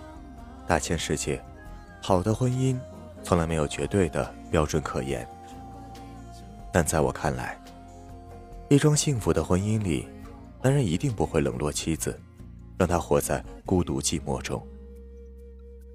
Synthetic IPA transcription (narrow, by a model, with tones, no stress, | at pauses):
t̪a̰˥˩t͡ɕʰjɛ˥nʂɻ̩˥˧t͡ɕjɛ˥˩ | xɑ˨˩ʊd̪ə˦xwə˥ni˥n | t͡sʰʊ˧˥ŋla˧˥ɪme˧˥ɪjo˨˩ʊt͡ɕɥɛ˧˥t̪we˥˩ɪd̪ə̰˩pjɑ˥ʊʈ͡ʂwə˨˧˩nkʰɤ̰˨˩jɛ̰˧˥n | t̪a˥˧nt͡sa˥˩ɪwɔ̰˨˩kʰa˥˩nla̰˧˥ɪ | i˥˩ʈ͡ʂwɑ˥ŋɕi˥˩ŋfu˧˥d̪ə˧xwə˥ni˥nlḭ˨˩ | na˧˥ɻə˥ni˧˥t̪i˥˧ŋpu˧˥xwe˥˩ɪlɤ̰˨˩ŋlwɔ˥˩t͡ɕʰi˥d͡zɹ̩˩ | ɻɑ˥˧ŋt̪ʰa˥xwɔ˧˥t͡sa˥˩ɪku˥t̪ṵ˧˥t͡ɕi˥˧mwɔ̰˥˩ʈ͡ʂʊ̰˥ŋ